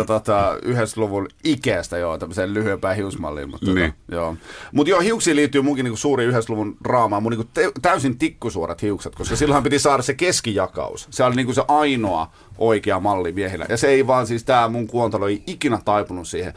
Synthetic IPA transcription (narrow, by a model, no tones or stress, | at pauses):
t̪ot̪ɑyhest̪luʋulikæst̪æjot̪æmːsellyhyempæːhiusmɑ̰lːḭlmṵt̪ːoo̰joːmut̪joːhiuksiːliːt̪ːyːmuŋkiniːkusuːriːyhest̪luʋunrɑːmɑːmuniːŋkut̪t̪æysint̪ikːusuoɾet̪hiukset̪koskɑsilːhɑmpit̪isɑːɾɑsekeskijɑkɑ̰ṵsseolniːŋkuseʔɑinoɑ̰ | ʔoikeɑmɑlːimiehilæ̰jɑseeiʋɑːnsiːst̪æːmuŋkuont̪ɑloeiikinæt̪ɑipunussiːhḛ